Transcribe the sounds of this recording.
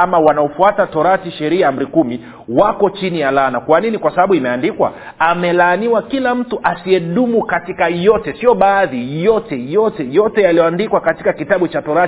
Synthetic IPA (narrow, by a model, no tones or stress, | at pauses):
amawanaɔfuatatɔɾatiʃɛɾiam̩ɾikumi | wakɔt͡ʃinijalanakwaninikwasaɓaɓuimɛandikwa̰ | amɛlaːniwakilam̩tuʔasiɛɗumukatikajɔtɛsiɔɓaːðijɔtɛjɔtɛjɔtɛjalijɔandikwakatikakitaɓut͡ʃatɔɾa